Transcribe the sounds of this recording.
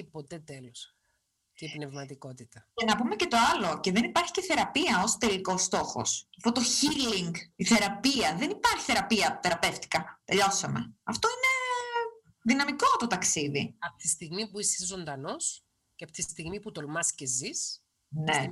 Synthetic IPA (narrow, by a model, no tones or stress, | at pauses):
ipot̪et̪elos | t̪ipnevmɐt̪iko̞t̪it̪ɐcenɐpume̞ce̞t̪o̞ɐlo̞ceðenipɐɾçi̥ceθe̞ɾɐpiɐo̞st̪e̞liko̞st̪o̞xo̞̰sɐft̪ot̪o̞çiliŋɡiθe̞ɾɐpiɐðe̞nipɐɾçi̥θe̞ɾɐpiɐt̪e̞ɾɐpe̞ft̪i̥kɐt̪e̞ʎo̞sɐme̞̰ɐft̪o̞ine̞ | ðinɐmiko̞t̪ot̪ɐksiðiɐpot̪ist̪iɣmipuisizo̞nd̪ɐno̞s | ceɐpo̥t̪ist̪iɣmiput̪olmɐscezis | ne